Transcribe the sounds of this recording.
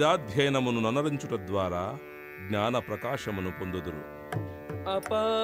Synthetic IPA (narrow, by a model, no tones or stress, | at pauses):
aːd̪ʱjɐjɐnɐmununɐnɐɾiɲt͡ʃuʈɐd̪ʋaːɾaː | ɡɲaːnɐpɾɐkaːʂɐmunupo̞nd̪ud̪uɾṵ | ɐpɐ